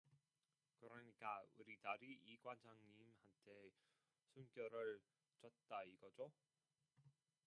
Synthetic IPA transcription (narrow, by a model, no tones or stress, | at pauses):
kɯɾʌɲik͈auɾidaɾiʔːɡwand͡ʑaŋɲimhantʰe̞ | sʰunk͈jʌɾɯɭ | t͡ɕʌt̚t͈aiɡ̥ʌd͡ʑo